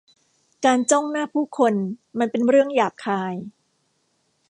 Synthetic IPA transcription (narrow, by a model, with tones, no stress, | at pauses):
kaː˧nt͡ɕɔ˥˩ŋnaː˥˩pʰuː˥˩kʰo˧nma˧npe˧nɾɯ˥˩əŋjaː˨˩kkʰaː˧j